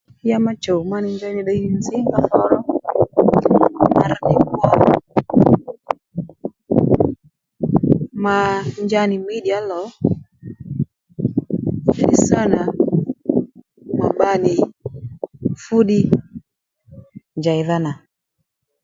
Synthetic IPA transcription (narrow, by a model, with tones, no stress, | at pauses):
ja˦ma˦t͡ʃɔ˨ma˦ni˨˦nd͡ʒa˦ni˨ɗa˦i˦ni˦nzi˦ŋɡa˨fɔ˦ɾɔ˦ŋ | a˨ma˨ɾni˨m˦ɔ˦ | ma˨ɲd͡ʒa˦ni˨m˦i˦ɗi˨a˦lɔ˨˦˨ | i˦sa˦na˨ | ma˨ɓa˦ni˨ | fu˦ɗi˦ | ɲd͡ʒa˨i˨ða˦na˨